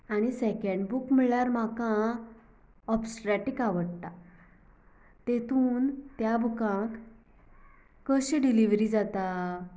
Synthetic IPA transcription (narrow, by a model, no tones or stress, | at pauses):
aɽ̃isɛkeɳɖbukm̤əɭjaɾm̤akã | ɔpsʈɾɛʈikaʋəɽt̪a | t̪et̪ʰuːnt̪jabʱukãk | əɕẽɖiliʋɾid͡zat̪a